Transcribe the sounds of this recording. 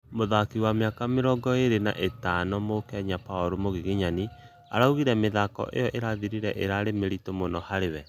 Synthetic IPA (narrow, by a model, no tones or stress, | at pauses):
moðakiwameakameɾɔɡɔeɾena̰ʔetanɔmokɛɲapaoɾomoɣeɣeɲani | a̰ɾauɣiɾɛmeðakɔ̰ʔḛjɔʔeɾaðiɾiɾɛʔeɾaɾemeɾitomonɔhaɾewɛ